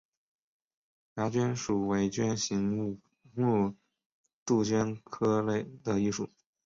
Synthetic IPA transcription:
ja˧˥t͡ɕɥɛ˥nʂu˨˩we˧˥ɪt͡ɕɥɛ˥nɕi˧˥ŋ˧ | mu˥˧ | t̪u˥˩t͡ɕɥɛ˥nkʰɤ˥le˥˩ɪd̪ə˨˩i˥˧ʂu˨˩˦

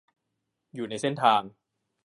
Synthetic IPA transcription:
juː˨˩na˧jse˥˩nt̪ʰaː˧ŋ

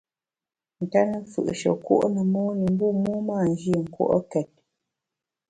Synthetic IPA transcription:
n̩˨ta˦nə˦fɯ̰˨ʔʃə̰˨ko̰˦ʔnə˨mɔː˦nə˨m˦bu˦mu˦maː˦˨n̩˦d͡ʒi˦˨ŋ̩˨kwɔ̰˦ʔə̰˦kɛ˨t̚

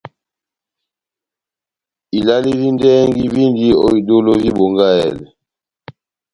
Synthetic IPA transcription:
i˨la˦li˦li˦ndɛ˦ŋɡi˦vi˦ndi˦ɔ̰˦i˨do˦lo˦vi˦bo˨ŋɡa˦ɛ̰˨lɛ˨

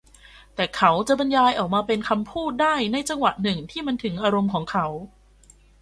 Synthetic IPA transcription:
t̪ɛː˨˩kʰa˦˥wt͡ɕa˨˩ʔba˧njaː˧jʔɔː˨˩k̚maː˧pe˧nkʰa˧mpʰuː˥˩t̪̚daː˥˩jna˧jt͡ɕa˧ŋwa˨˩ʔnɯ˨˩ŋt̪ʰiː˥˩ma˧nt̪ʰɯ˩˦ŋʔaː˧ɾo˧mkʰɔː˩˦ŋkʰa˦˥w

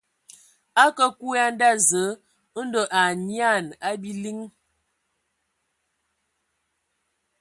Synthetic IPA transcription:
a˦kə˦ku˦a˦n˦da˦zə˨˦ | n̩˦do˨ʔa˨ɲja˦˨na˦bi˦li˦ŋ

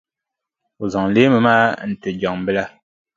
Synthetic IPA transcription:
o˨za˨ŋ˨le˦mɨ˨maː˦n̩˨tɨ˨d͡ʒɔ˨ŋm˨bɨ˦la˦

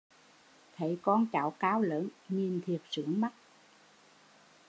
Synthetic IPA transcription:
t̪ʰe˧˩˦kɔ˧nt͡ɕaː˧˩wkaː˨˦wləː˨˦nɲi˨˩nt̪ʰi˨˩ət̚sɨ˧˦əŋma˦˥t̚

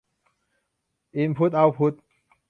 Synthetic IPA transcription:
ʔi˧npʰu˦˥t̪̚ʔa˧wpʰu˦˥t̪̚

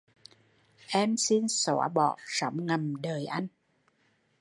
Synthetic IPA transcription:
ʔɛ˧msi˧nsɔ˧˩˦ɓɔ̰˧˨sa˧˦wŋ͡mŋa˨˩mɗəː˨˩jʔa˧jŋ̟

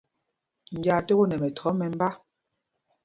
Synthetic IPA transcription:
n̩˨d͡ʒa˨te˦ɣo˦nɛ˨mɛ˨tʰɔ˨˦mɛ˨m˦ba˦

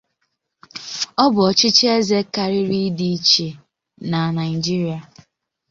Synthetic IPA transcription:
ɔ˦bʊ˨ɔ˨t͡ʃɪ˦t͡ʃe˦ze˦ka˦ɾɪ˦ɾi˦di˦t͡ʃi˨ | na˨na˨ɪ˨d͡ʒi˦ɾi˨a˨

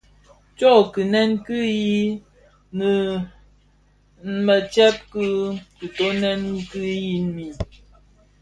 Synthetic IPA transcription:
t͡ʃɔ˦˨kɨ˨nɛ˦nkɨ˦ji˦ | nə˨˦ | mə˨t͡ʃɛ˦p̚kɨ˦kɨ˨to˦nɛ˦n˦kɨ˦ji˦mi˨

